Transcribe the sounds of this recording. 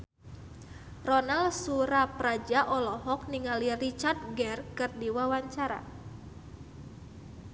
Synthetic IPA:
rɔnalsuɾapɾad͡ʒaʔɔlɔɦɔk̚niŋalirit͡ʃard̪̚ɡɛrkɨrdiwawaɲt͡ʃaɾa̰

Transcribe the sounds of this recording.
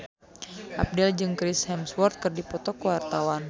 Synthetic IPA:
ʔa̰p̚dɛld͡ʒɨŋkɾishɛmswɔrt̪̚kɨrdipɔt̪ɔkəwart̪awan

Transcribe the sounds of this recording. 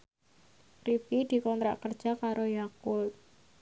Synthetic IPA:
rifid̪̥i̤kɔnt̪ɾa̰ʔkərd̥ʒ̥a̤kaɾojakʊl

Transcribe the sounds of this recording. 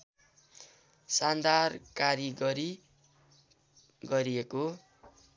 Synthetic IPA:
sand̪ʱarkaɾiɡʌɾi | ɡʌɾieko

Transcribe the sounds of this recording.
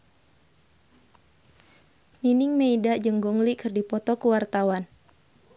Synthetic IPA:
ninɪŋmeidaʔd͡ʒəŋɡuŋlikɨrdipɔt̪ɔkəwart̪awan

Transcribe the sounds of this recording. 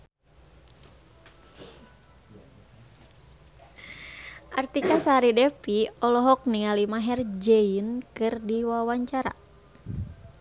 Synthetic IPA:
ʔart̪ikasaɾidɛpiɔlɔɦɔk̚niŋalimaɦɛrd͡ʒeinkɨrdiwawaɲt͡ʃaɾa̰

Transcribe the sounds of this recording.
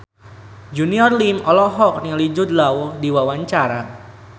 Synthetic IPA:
d͡ʒuniɔrlimɔlɔɦɔk̚nɪŋlid͡ʒʊd̪lawɔdiwawaɲt͡ʃaɾa

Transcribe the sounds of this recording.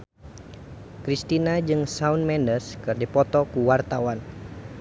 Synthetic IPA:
kɾist̪inad͡ʒɨŋsaunmɛndəskɨrdipɔt̪ɔkuwart̪awan

